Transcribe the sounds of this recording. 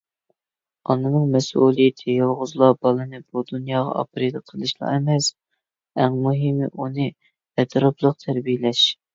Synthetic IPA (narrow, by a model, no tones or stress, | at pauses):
ɑnɨnɨŋmɛsulˠijɪt̪ʰɪjɑlˠʁʊzlˠɑbɑlˠɨnɨbud̪unjɑːʁɑ̰ʔɑ̰pɾed̪ɨqʰəlˠɨʃlˠɑ̰ɛmɛs | ɛŋmuɦm̰ʔunɨ | ɛt̪ʰɾɑplˠəq̚t̪ʰæɾbijɪlɛʃ